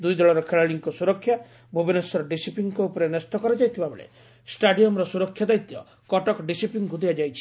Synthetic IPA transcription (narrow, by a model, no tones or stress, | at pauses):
d̪ujd̪ɔɭɔɾɔkʰeɭaɭiŋkɔsuɾɔkʰːja | bʱubinesɔɾɔɖisipiŋkɔupɔɾenest̪ɔkɔɾad͡ʒajt̪ʰibabeɭḛ | sʈaɖiɔmɾɔsuɾɔkʰːjad̪ajt̪jɔ̰ | kɔʈɔkɖisipiŋɡud̪ʱijad͡ʒajt͡ʃʰi̥